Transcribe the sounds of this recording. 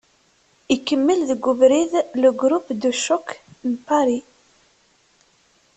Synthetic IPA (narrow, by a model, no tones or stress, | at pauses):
ikːəmːəlðəɡːʊvɾiðləɡɾupd̪uʃːʊknpaɾi